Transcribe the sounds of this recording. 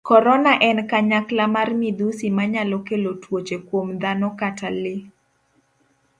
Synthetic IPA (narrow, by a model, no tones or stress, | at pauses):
kɔɾɔnaʔɛnkaɲaklamarmid̪usimaɲalokelotwot͡ʃekwomd̪anɔkatalɪ